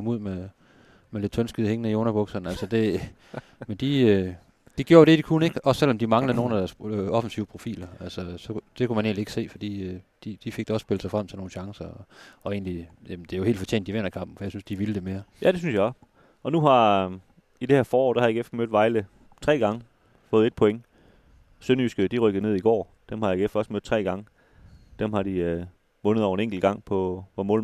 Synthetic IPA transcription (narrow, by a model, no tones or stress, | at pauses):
kʰɒ̽muð̰ˠme | mele̝d̥t͡sʰønsɡ̥ið̩ˠheŋənəionɐb̥ɔɡ̥sɒnælsɒd̥e̝ | mend̥iø | d̥iɡ̥joːɐɾ̥e̝d̥ikʰunəe̝ɡ̥ɒ̽sːel̰ɒ̽md̥imɑ̈ŋləð̩ˠno̝ːnæd̥æɐsɒ̽fn̩siʊəpʰʁo̝fḭːlɐælsɒsɒ̽d̥e̝kʰumæne̝ːnlie̝ɡ̥əse̝̰ːfɒd̥ḭːød̥id̥ifeɡ̥̚d̥æɒ̽sːb̥e̝lsɑ̈ɪfʁɑmsɒno̝ːn̩ɕɑ̈ŋsɐɒɒ̽e̝̰ːnlijæmnd̥ejo̝he̝ːld̥fɒ̽t͡ɕʰḛːnd̥iʋen̰ɐkʰɑ̈mb̥̚n̩fɒjäɪsynsd̥iʋiləd̥e̝me̝ːɐjʔæd̥e̝synsjɑ̈ɒ | ɒ̽nuɦɑ̈ | ide̝hæɐ̰fɒːɒ̰ːd̥æhɑjeɡ̥efmød̥ʋɑ̈ɪlə | t͡sʰʁɛ̰ːɡ̥ɑ̈ŋə | fɔ̽ːðˠed̥̚pʰɔ̽eŋ | sønysɡ̥əd̥iʁœɡ̥ð̞̩ˠne̝ðˠiɡ̥ɒ̰ː | d̥emhɑ̈jɑeɡ̥efɒ̽smød̥̚ˠt͡sʰʁɛ̰ːɡ̥ɑ̈ŋə | d̥emhɑ̈ɾ̥iø | mɔ̽nð̩ˠɒ̰ʊ̰e̝neŋ̰ɡ̥l̩ɡ̥ɑ̈ŋ̰pʰɒ̽ʋɒmɔ̰̽ːl